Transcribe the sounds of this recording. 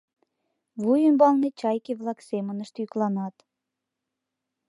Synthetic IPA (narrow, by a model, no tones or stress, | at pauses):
βujənbɑlˠnet͡ɕɑjkʲeβlˠɑksemə̆nə̆ʃt̪jyklɑnɑt̪